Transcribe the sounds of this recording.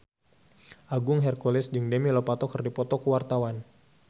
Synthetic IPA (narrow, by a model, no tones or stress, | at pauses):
ʔaɡʊŋɦɛrkolɛsd͡ʒɨŋdɛmilɔpat̪ɔkərdipɔt̪ɔkuwart̪awan